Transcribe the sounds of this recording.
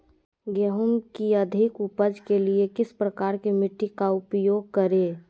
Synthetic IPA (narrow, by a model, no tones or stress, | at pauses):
ɡeɦʊmkiəd̪ʱɪkʊpəd͡ʒkeliekɪspɾəkaːɾkimɪʈːikaʊpjoːɡ̚kəɾeː